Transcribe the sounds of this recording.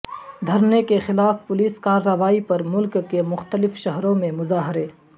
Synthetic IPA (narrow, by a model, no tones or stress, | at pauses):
d̪ʱɐɾnekexɪlaːfpʊliːskaːɾːəʋaːipɐɾmʊlkːemʊxt̪əlɪfʃɐɦɾõmẽmʊzaːɦɪɾeː